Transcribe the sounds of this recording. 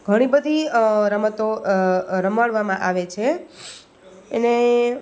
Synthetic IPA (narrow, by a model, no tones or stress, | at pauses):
ɡʱəɽ̃ibəd̪ʱiɾəmət̪o | ɾəmaɭʋamãʔaʋet͡ʃʰe | əne